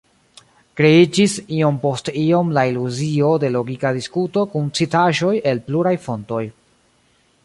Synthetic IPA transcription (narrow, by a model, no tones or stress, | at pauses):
kɾe̞id͡ʒisio̞mpo̞stio̞mlailuzio̞de̞lo̞ɡikadiskuto̞kunt͡sitaʒo̞je̞lpluɾajfo̞nto̞j